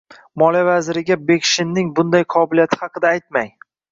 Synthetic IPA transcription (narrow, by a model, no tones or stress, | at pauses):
mɒlˠijavazɪɾɪɡʲabe̞kʲʃɪnːɪŋbʊnd̪ajqʰɒbɪlijat̪ʰɪ̥hɑqɨd̪aːjt̪maj